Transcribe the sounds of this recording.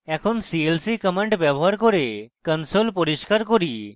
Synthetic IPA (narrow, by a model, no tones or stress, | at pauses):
ɛkʰonsielsikəmeɳʈbɛboɦaɾkoɾekənsolpoɾiʃkaɾkoɾi